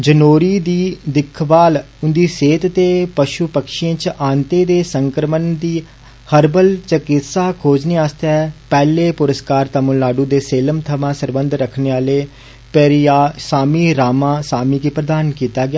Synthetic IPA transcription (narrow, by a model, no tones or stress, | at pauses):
d͡ʒənoːɾiːd̪iːd̪ɪkʰbaːl | ʊnd̪iːseːt̪t̪eːpəʃuːpəkʃɪẽːt͡ʃʔaːnt̪eːd̪eːsəŋkɾəmənd̪iː | həɾbəlt͡ʃəkɪt̪saːkʰoːd͡ʒneːaːst̪ɛːpɛːleːpʊɾəskaːɾt̪əmʊlːaːɖuːd̪eːseːləmt̪ʰəmãːsəɾbənd̪ɾəkʰneːaːleː | pɛːɾiaːsaːmiːɾaːmãːsaːmiːkiːpɾəd̪aːnkiːt̪aːɡɪjaː